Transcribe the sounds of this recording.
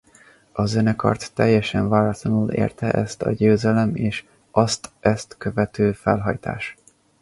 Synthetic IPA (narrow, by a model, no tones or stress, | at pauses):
ɒzønɛkɒ̰rt̪ːɛjːɛʃɛɱvaːɾɒt̪lɒnulḛːrt̪ɛʔɛst̪ɒ̰ɟøːzɛlɛmeːʃ | ʔɒst̪ɛst̪køvɛt̪øːfɛlɦɒ̰jt̪a̰ːʃ